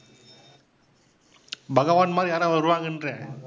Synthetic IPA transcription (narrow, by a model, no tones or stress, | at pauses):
bɐɣɐʋaːnmaːljaːɾaʋɐɾɯʋaːɣɪndrẽ